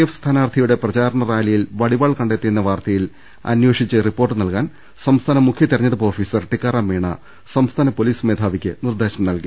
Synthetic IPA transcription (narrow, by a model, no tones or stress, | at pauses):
efst̪ʰaːnaːrt̪ʰɐjuɽe̞prɐt͡ɕaːɾɐɳɐraːjlɐjilʋɐɽibaːɭkɐɳɖe̞ːt̪ːinːɐʋaːrt̪ɐjil | ɐ̰nweːʂit͡ɕːɨripːo̞ːrʈːɨnɐlkaːn | sɐmst̪ʰaːnɐmukʰjɐt̪iɾɐɲːɐðɐpo̞ːfiːsɐrʈikːaːɾaːmːeːɳɐ̰ | sɐmst̪ʰaːnɐpo̞liːsmeːd̪ʱaːʋikʲːɨnird̪eːɕɐmnɐlki